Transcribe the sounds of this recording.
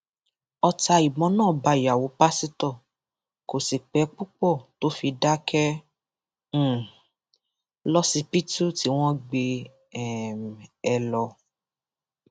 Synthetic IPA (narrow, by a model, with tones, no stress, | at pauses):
ɔ˧ta˧i˨mɔ̃˨˦nãː˦˨ba˨˧i˨ja˨wo˨˦pa˦si˦tɔ˦˨ | ko˨si˨k͡pɛ˨˦k͡pu˦k͡pɔ˦˨to˨˦fi˧da˦kɛ˦ | lɔ˦si˧pi˦tu˦ti˨˦w̃ɔ̃˦ɡ͡be˧ | ɛ˨m˨ɛ˧lɔ˧